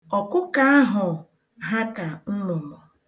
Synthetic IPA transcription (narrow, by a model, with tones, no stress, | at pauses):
ɔ˨kʊ˦ka˦a˦ɦʊ˨ | ɦa˦ka˨n̩˦mʊ˨mɔ˨